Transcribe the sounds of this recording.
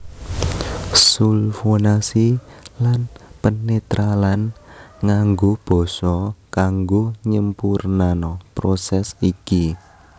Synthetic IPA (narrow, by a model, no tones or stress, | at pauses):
sulfonasilanpənet̪ɾʔalanŋaŋɡob̥ɔ̤sɔkaŋɡoɲəmpurnanɔpɾosɛsiki